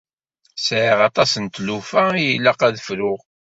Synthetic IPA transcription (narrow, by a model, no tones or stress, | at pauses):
sʕiʁɑt̪ˤɑsənt̪lufæijəlːəqæðəfɾʊʁ